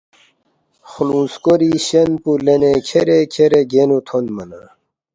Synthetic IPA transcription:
xlũːskoɾiɕɐnpulenekʰeɾekʰeɾeɡenut̪ʰonmɐna

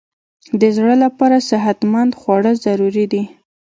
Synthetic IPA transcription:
d̪əzɽəlapɑɾasɪɦat̪mand̪xwɑɽəzaɾuɾid̪i

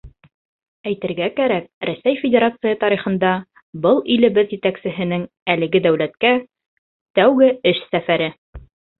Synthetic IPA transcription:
æjt̪ɘ̆ɾɡækæɾæk̚ɾæsæjfʲɪdʲeɾat̪sɨjɑt̪ɑɾiχɤ̆nd̪ɑ | bɤlˠilɘ̆bɘðjɘ̆t̪æksɘ̆ɦɘ̆nɘŋ | ælɘ̆ɡɘd̪æwlæt̪̚kæ | t̪æwɡɘɘʃsæfæɾɘ

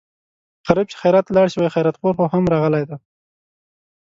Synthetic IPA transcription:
ɣ̥aɾib̚t͡ʃe̥xajɾat̪lɑɽʃiwajxajɾat̪̚poɾxohamɾɑɣəlajd̪a

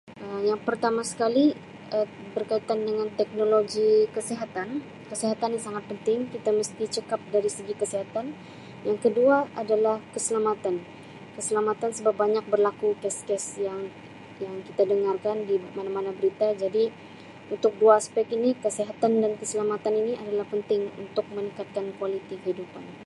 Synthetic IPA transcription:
əmjaŋpərt̪amasə̥kali | ə | bərkait̪andəŋant̪ɛk̚noloɡikəseɦat̪an | kəseɦat̪anisaŋat̪̚pənt̪ɪŋkit̪aməst̪it͡ʃəkap̚daɾisəɡikəseɦat̪an | jaŋkəduaadalahkəsəlamat̪an | kəsəlamat̪ansəbap̚baɲak̚bərlakukɛskɛsjaŋ | jaŋkit̪adəŋarkandimanamanabəɾit̪ad͡ʒadi | unt̪ʊk̚duaːspɛk̚inikəsiɦat̪andankəsəlamat̪aniniʔadalahpənt̪ɪŋṵnt̪ʊk̚mənikat̪̚kankualit̪ikəɦidupan

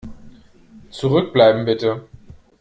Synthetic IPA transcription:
t͡suʁʏk̚b̥laɪbm̩bɪtə

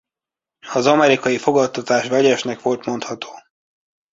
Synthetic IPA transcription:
ɒzɒmɛɾikɒjifo̞ɡɒt̪ːɒt̪aːʃvɛɟɛʃnɛkʋo̞lt̪mo̞nt̪hɒt̪o̥ː

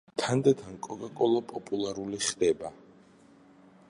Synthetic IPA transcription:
t̪ʰand̪at̪ʰankʼɔkʼakʼɔlˠapʼɔpʼulˠaɾuliχd̪ɛba

